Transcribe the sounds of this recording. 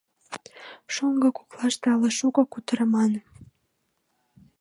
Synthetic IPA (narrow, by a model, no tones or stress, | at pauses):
ʃoŋɡə̆kuklɑʃt̪eɑləʃukŏkut̪əɾəmɑn